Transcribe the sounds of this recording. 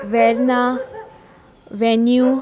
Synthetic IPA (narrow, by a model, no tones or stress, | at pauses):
ʋɛɾna | ʋɛnju